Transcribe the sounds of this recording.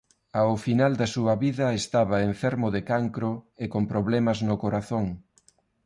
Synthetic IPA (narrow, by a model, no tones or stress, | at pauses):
aʊfinald̪ɐsuɐβiðɐest̪aβɐeɱfɛɾmʊðekaŋkɾʊekompɾoβlɛmɐznʊkoɾaθoŋ